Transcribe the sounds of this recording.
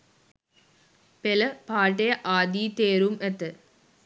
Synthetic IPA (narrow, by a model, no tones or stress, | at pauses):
pelɐpaːʈ̬ːeɐʔaːd̪iːt̪eːɾumet̪ːɨ